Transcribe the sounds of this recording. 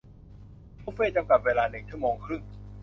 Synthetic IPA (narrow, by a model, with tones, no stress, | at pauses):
tʰːfeː˥˩t͡ɕa˧mka˨˩p̚weː˧laː˧nɯ˨˩ŋt͡ɕʰɯ˦˥˩moː˧ŋkʰɾɯ˥˩ŋ